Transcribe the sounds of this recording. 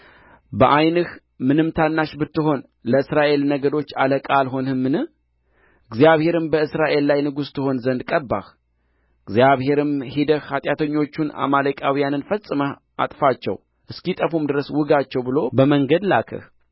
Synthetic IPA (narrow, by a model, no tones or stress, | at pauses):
bəʔajnɨh | mɨnɨmt̪ʰanːaʃbɨt̪ːɨɦo̞n | ləɨsɾaʔe̞lnəɡəd̪o̞t͡ʃːaləkʼalɦo̞nhɨmːɨnɨ | ɨɡzijaβhe̞ɾɨmbəɨsɾaʔe̞lːajnɨɡust̪ʰɨho̞nzənd̪kʼəbːa̰h | ɨɡzijaβhe̞ɾɨmhid̪əhhat̪ʼjat̪ʰəɲːo̞t͡ʃːuna̰maləkʼawijanɨnfəsʼɨmə | ʔa̰t̪ʼfat͡ʃːɛ̰w | ʔɨskit̪ʼəfumd̪ɨɾəswɨɡat͡ʃːɛwbɨlo̞bəməŋɡəd̪lakʰə̰h